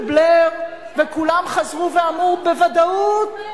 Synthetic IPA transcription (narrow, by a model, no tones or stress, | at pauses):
bleʁ | vekulamχazʁuveamʁubevad̪aut̪̚